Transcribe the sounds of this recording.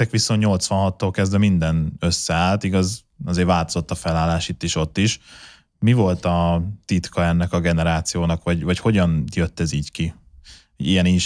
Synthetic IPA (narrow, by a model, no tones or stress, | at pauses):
ɛkʋiso̞nt̪ɲo̞lt̪sʋɒnɦɒt̪ːoːlkɛzd̪vɛmind̪ɛnøsːɛaːlt̪iɡɒz | ɒzeːɾvaːlt̪ozo̞t̪ːɒfɛlaːlːaːʃit̪ːiʃo̞t̪ːiʃ | mivo̞lt̪ɒt̪it̪kɒɛnːɛkɒɡɛnɛɾaːt̪sijoːnɒkʋɒɟvɒcho̞ɟɒnjøt̪ːɛziːɟki | ijɛninʃ